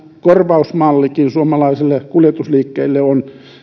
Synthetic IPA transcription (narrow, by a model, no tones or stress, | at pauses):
korʋɑusmɑlːikinsuomɑlɑisilːekuljet̪usliːkːeilːeon